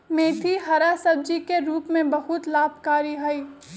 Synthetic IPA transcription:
mẽːt̪ʰiɦɐɾasɐb̚d͡ʒikeɾuːpmẽbɐɦʊt̪laːbʱkaːɾiɦɐiː

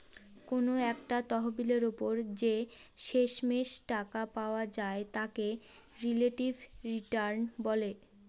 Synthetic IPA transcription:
konoɛkʈat̪ɔɦobileɾopoɾd͡ʑeʃeʃmeʃʈakapaoad͡ʑaet̪ake | ɾileʈibʱɾiʈaɾnbɔle

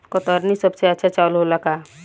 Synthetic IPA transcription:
kot̪ɔɾnisəbseətːʃʰat͡ʃaːlɦolaka

